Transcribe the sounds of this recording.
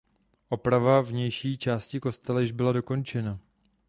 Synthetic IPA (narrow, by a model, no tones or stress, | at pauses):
ʔo̞pɾavavɲɛjʃiːt͡ʃaːscɪko̞st̪ɛlɛʒbɪlado̞ko̞nt͡ʃɛna